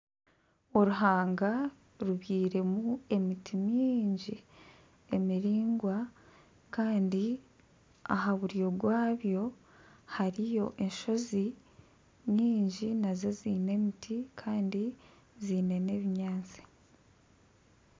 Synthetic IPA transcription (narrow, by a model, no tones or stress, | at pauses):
oɾuɦaːŋɡa | ɾuβjiːɾe̞mue̞mitimiːɲɟi | e̞miɾiːŋɡwa | kaːndi | a̰ɦaβuɾijo̞ɡwaːβjo̞ | haɾijo̞ʔe̞nʃo̞zi | mɲiːɲɟinaze̞ziːne̞mitʰikʰaːndi | ziːne̞ne̞ːβiɲaːnt͡si̥